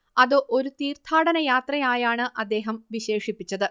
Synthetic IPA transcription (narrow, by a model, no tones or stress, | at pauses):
ɐðoʔo̞ɾut̪iːrt̪ʰaːɽɐnɐjaːt̪rɐjaːjaːɳɨʔɐd̪ːe̞ːɦɐmʋiɕe̞ːʂipːit͡ɕːɐðɨ